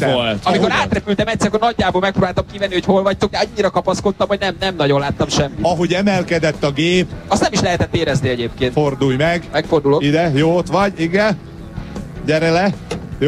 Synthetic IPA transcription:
olt̪ɒmiko̞ɾaːt̪rɛpylt̪ɛmɛct̪sɛɾkornɒɟːaːboːlmɛk̚proːbaːlt̪ɒmkivɛnːiho̞cho̞lvɒc̚t̪oɡ̚d̪ɛɒɲːiɾɒkɒpɒskot̪ːɒmhoɟnɛmnɛmnɒɟo̞nlaːt̪ːɒmʃɛmːiɒɦoɟɛmɛlkɛd̪ɛt̪ːɒɡeːpɒst̪nɛmiʃlɛɦɛt̪ɛt̪ːeːɾɛzniɛɟeːp̚keːntfo̞rd̪ujmɛɡmɛkfo̞rd̪uloid̪ɛjoːot̪ʋɒɟiɡɛn | ɟɛɾɛlɛjo

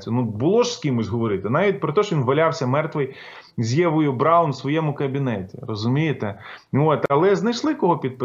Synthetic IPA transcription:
t͡sʲjʊnubʊlˠɔʒskʲimʊsʲɦɔʋɔɾɪt̪ɪnɑʋʲit̚ʲpɾɔt̪ɔʃʲinʋɐlʲawsʲɐmɛrt̪ʋɪj | zʲjɛʋʊjʊbɾawnsʋɔjɛmʊkɐbʲinɛtʲirɔzʊmʲijɪt̪ɛot̪ɐlˠɛznɐjʃlˠɪkɔɦɔpʲid̪̚pɪ

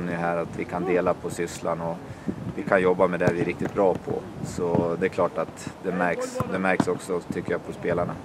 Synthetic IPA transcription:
nːjəɦæːɾat̪vɪkʰand̪eːlapʰɔsʏslanɔ | vɪkʰanjɔbːamɛd̪ɛvɪɛɾɪk̚t̪ɪt̪̚bɾɑːpʰɔ̰ | sɔd̪ɛklɑːʈat̪d̪ɛmæɾksd̪ɛmæɾksɔksɔt̪ʰʏkːəjaːpʰɔspeːlaɳa̰

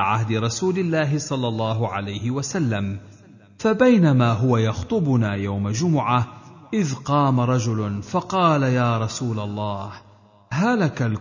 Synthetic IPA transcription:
ʕahd̪ɪɾˤɑsuːlɪlːaːɦɪsˤɑlːɑlˤːɑːɦʊʕa̰lajhɪwasalːam | fabajnamaːɦʊwajɑxt̪ˤʊbʊnaːjawmad͡ʒʊmʊʕaʔɪðqɑːmaɾˤɑd͡ʒʊlʊnfɑqɑːlajaːɾˤɑsuːlalˤːɑːh | halakal

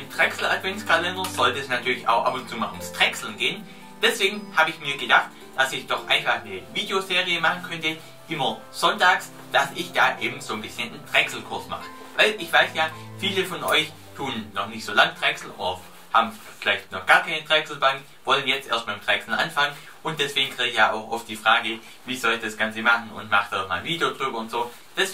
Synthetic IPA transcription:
ɪmtʁ̥ɛksl̩atv̥ɛnskʰalɛndɐz̥ɔltːsnatʰyːɐlɪça̰ʊxʔa̰pʊnt͡suːma̰ːlʊmstʁ̥ɛksl̩nɡeːən | d̥ɛsv̥eːɡŋ̩haːbəɪçmiːɐɡədaχt | d̥asɪçd̥ɔχʔaɪnfaχnəviːdejozeːʁiəmaχn̩kʰœntə | ʔɪmɐ | z̥ɔntaːks | d̥asɪçd̥aːʔḛːbm̩z̥oːnbɪsçənntʁ̥ɛksl̩kʰʊɐsma̰χə | vaɪlʔɪçv̥aɪsjaːfiːləfɔnʔɔ̰ʏç | tʰuːənːɔχnɪçtz̥oːlaŋtʁ̥ɛksl̩ʔo̰ːdɐ | ha̰ːbm̩ | fɪlaɪçtnɔχɡ̥aːɐkʰaɪnətʁ̥ɛksl̩baŋk | v̥ɔlənjɛt͡stʔeːɐstmaɪmtʁ̥ɛksl̩ʔa̰nfaŋən | ʔʊnt̚d̥ɛsv̥eːɡŋ̩kʁ̥iːɡəçjaːʔa̰ʊxʔɔft̚d̥iːfʁ̥aːɡə | viːzɔlɪçd̥asɡ̥ant͡səmaχn̩ʊ̰ntmaχtd̥ama̰ːlviːdeod̥ʁyːbɐʊntz̥oː | d̥ɛs

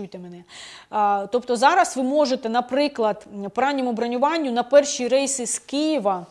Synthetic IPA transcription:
ujt̪ɛmɛnɛ | t̪ɔpt̪ɔzɑɾɐsʋɪmɔʒet̪ɛnɐpɾɪklˠɐd̪̥pɾɑnʲimʊbɾɐnʲʊʋɑnʲːʊnɐpɛrʃiɾɛjsɪskijiʋɐ

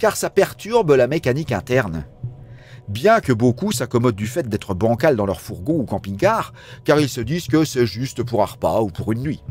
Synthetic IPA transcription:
kaʁsapɛʁt̪yʁblamekanikɛ̃t̪ɛʁn | bjɛ̃kəbokusakɔmɔd̪̚d̪yfɛt̪̚d̪ɛt̪χəbɑ̃kald̪ɑ̃lœʁfuʁɡõukɑ̃piŋkaːʁ | kaʁilsəd̪izkəsɛʒyst̪puʁaʁpa̰upuʁynːɥi

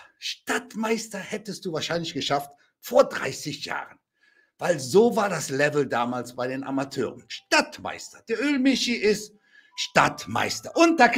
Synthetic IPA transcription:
ʃtatmaɪstɐhɛtəst̚d̥uːvaːɐʃaɪnlɪçɡ̥əʃaft | foːɐdʁa̰ɪsɪçja̰ːʁən | vaɪlzoːvaːɐdaslɛvl̩daːmaːlsb̥aɪdeːnʔa̰matʰø̰ːʁənʃtatma̰ɪstɐ̥d̥eːɐʔøːlmɪʃiʔɪst | ʃta̰tma̰ɪstɐʔʊnt̚d̥aɐk

